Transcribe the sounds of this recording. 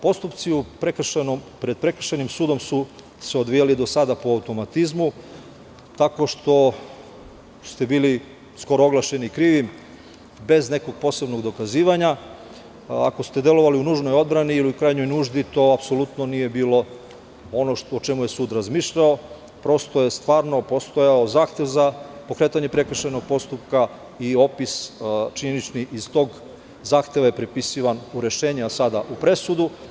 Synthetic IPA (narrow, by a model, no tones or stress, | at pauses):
po̞st̪upt̪siupɾekr̩ʃenompɾed̪̚pɾe̞kr̩ʃenimsuːd̪o̞msu | seod̪ʋijalid̪o̞sad̪apoaut̪o̞mat̪izmu | t̪ako̞ʃt̪o̞ | st̪e̞biːli | sko̞ɾooɡlˠaʃe̞nikɾiːʋim | be̞zne̞ko̞ɡ̚po̞ːse̞bno̞ɡd̪o̞kaziːʋaɲa | a̰ko̞st̪e̞d̪e̞lo̞ʋaliunuːʒno̞jo̞d̪bɾaniːliukɾajɲo̞jnuːʒd̪it̪o̞apso̞lut̪nonije̞biːlo̞ | o̞noʃot͡ʃe̞muje̞suːd̪ɾazmiːʃʎao | pɾo̞st̪ojest̪ʋaːɾno̞po̞st̪ojaozaːxt̪e̞ʋzapo̞kɾe̞t̪aɲe̞pɾe̞kr̩ʃajno̞ɡ̚po̞st̪upka | io̞pist͡ʃiɲenit͡ʃniʔizt̪o̞ːɡ | zaːxt̪e̞ʋaje̞pɾipisiʋanuɾe̞ʃeːɲeasad̪aʔupɾe̞sud̪u